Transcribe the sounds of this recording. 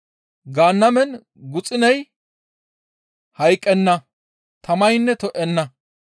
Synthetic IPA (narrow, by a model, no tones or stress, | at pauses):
ɡaːnːɐmɛn | ɡʊt͡sʼɪnɐj | hɐjkʼːɛnːɐ | t̪ʰɐmɐjnːɛt̪ɔʔɛnːɐ